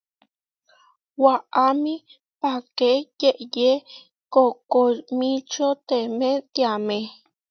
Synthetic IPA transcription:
waʔamĩ | pakejeʔje | kokomĩt͡ʃot̪emẽt̪jamẽ

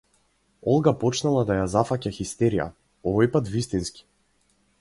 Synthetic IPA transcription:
ɔlˠɡapɔt͡ʃnalˠad̪ajazafacaxist̪ɛɾija̰ | ɔvɔjpat̪vist̪inski̥

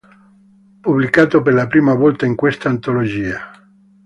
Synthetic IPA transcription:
publikaːt̪operlapɾiːmavɔlt̪aiŋkwest̪aːnt̪olod͡ʒiːa

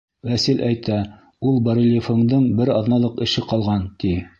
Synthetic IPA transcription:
wæsɘlʔæjt̪æ | ulˠbɑɾilʲɪfoɴd̪ɤɴbɘɾɑðnɑlˠɤqɘ̆ʃɘqɑlˠʁɑnt̪i

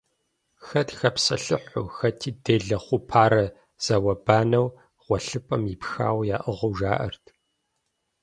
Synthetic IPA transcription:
xɐtxɐpsɐ̰ɬɨħʷṵxɐtʰiːdeːɮɐχʷʊpʰaːɾɐ | z̥ɐwɐbaːnɐw | ʁ̥ʷɔɬɨpʼɐmipxa̰ːwjaːʔɨʁʊwʒaːʔɐ̰rtʰ

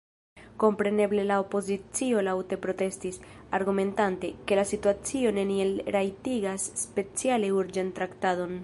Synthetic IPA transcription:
ko̞mpɾe̞ne̞ble̞lao̞po̞zit͡sio̞lawte̞pɾo̞te̞stis | aɾɡume̞ntante̞ke̞lasituat͡sio̞ne̞nielɾajtiɡasːpe̞t͡sialeuɾd͡ʒantɾaktado̞n

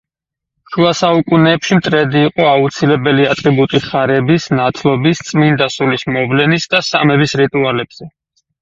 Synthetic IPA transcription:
ʃuasaukʼunɛːpʃimt̪ʼɾɛd̪iːqʼɔaut̪sʰilɛbɛliat̪ʼɾibut̪ʼiχaɾɛbisnat̪ʰlˠɔbist̪sʼmind̪asulismɔvlɛnisd̪asamɛbisɾit̪ʼualɛbz̥ɛ

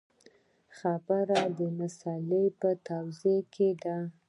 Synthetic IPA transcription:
xabaɾad̪əmasɑlepət̪awzekʰed̪a

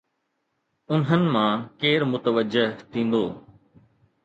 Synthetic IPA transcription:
ʊnɦənɪ̆mãːkeːɾmʊt̪əʋəd͡ʒɪɦt̪ʰĩːn̆d̪oː

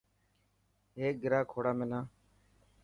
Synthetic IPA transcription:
ɦeːk̚ɡɪɾaːkʰoːɽaːmẽːnaː

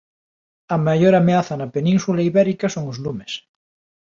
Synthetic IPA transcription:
ɐmajoɾameaθɐnɐpenĩnsulaiβɛɾikɐsoŋozlumes

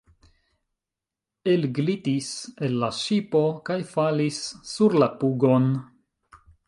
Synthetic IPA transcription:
elɡlitise̞lːaʃipo̞kajfalisːuɾlapuɡo̞n

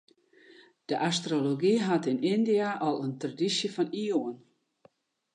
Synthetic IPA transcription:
d̥əʔastroloɡiɦatɪnɪndiaʔɔlˠəntradisjəfɔnioən

